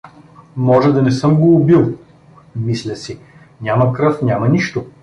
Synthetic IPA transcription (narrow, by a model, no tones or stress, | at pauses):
mɔʒɛd̪ɐnɛsɤmɡoːbilˠ | mislʲəsi | nʲamɐkɾɤfnʲamɐniʃt̪o